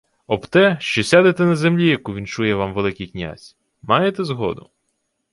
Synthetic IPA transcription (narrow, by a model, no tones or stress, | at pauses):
ɔbt̪ɛʃt͡ʃɔsʲad̪et̪ɛnɐzemlʲijɐkuʋʲint͡ʃujɛʋɑmʋelˠɪkɪjknʲa̰sʲ | mɑjet̪ɛzɦɔ̰d̪ʊ